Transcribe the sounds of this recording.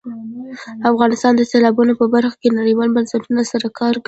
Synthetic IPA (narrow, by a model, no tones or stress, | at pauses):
afɣɑnɪst̪ɑnd̪əselɑbunopəbaɾxḁkenaɽijwɑlbansaʈunasaɾakʰɑɾk